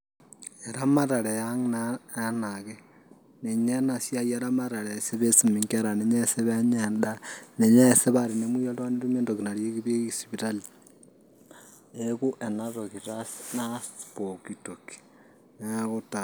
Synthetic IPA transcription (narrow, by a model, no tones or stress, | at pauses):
eɾamaɾalejaŋnaanaɣe | neɲenasjajeɾamaɾaɾeseβesimiŋkeɾaneɲeseβeɲeːndaneɲaːseβaɾinemwiolwaneɾumeːndoɣinaɾjeɣiβeɣisipitali | eɣuʔenatoɣiɾasnaspokitoki̥ | neɣuta